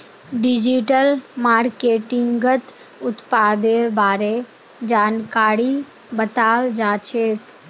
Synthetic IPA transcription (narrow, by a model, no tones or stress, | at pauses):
ɖɪd͡ʒiʈəlmaːɾkeːʈɪŋɡɡət̪ʊt̪paːd̪eːɾbaːɾe | d͡ʒaːnkaːɾi | bət̪aːld͡ʒaːt͡ʃʰeːk